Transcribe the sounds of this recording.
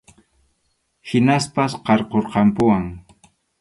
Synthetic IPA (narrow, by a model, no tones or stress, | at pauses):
hɪnaspasqɑɾqoɾqɑmpʊwaŋ